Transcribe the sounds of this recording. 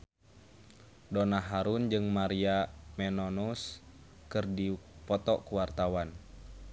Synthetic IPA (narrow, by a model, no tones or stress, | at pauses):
donaɦaɾund͡ʒɨŋmaɾiamɛnonus | kɨrdipɔt̪ɔkuwart̪awan